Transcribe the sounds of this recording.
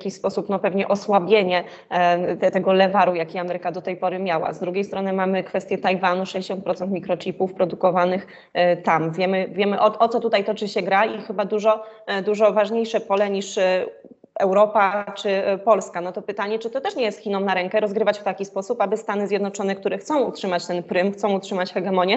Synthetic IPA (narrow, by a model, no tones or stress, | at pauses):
kʲispɔsupnɔpɛvɲɛʔɔswabʲjeɲɛ | t̪ɛt̪ɛɡɔlɛvaɾujakʲiamɛɾɘkad̪ɔt̪ɛjpɔɾɘmʲjawa̰zd̪ɾuɡʲejst̪ɾɔnɘmamɘkfɛst̪jɛt̪ajvanuʂɛd͡ʑeɕɔnt̪̚pɾɔt̪sɛnt̪mʲikɾɔt͡ɕipufpɾɔd̪ukɔvanɘx | t̪amvʲjɛmɘvʲjɛmɘʔɔɔt̪sɔt̪ut̪ajt̪ɔt͡ʂɘɕɛɡɾaixɘbad̪uʐɔd̪uʐɔvaʐɲejʂɛpɔlɛɲiʂ | ɛwɾɔpat͡ʂɘpɔlskanɔt̪ɔpɘt̪aɲɛt͡ʂɘt̪ɔt̪ɛʂɲɛjɛst̪xʲinɔmnaɾɛŋkɛɾɔzɡɾɘvat͡ɕft̪akʲispɔsupabɘst̪anɘzʲjɛd̪nɔt͡ʂɔnɛkt̪uɾɛxt̪sɔ̃w̃utʂɘmat͡ɕt̪ɛnpɾɘmxt̪sɔ̃w̃utʂɘmat͡ɕxɛɡɛmɔɲjɛ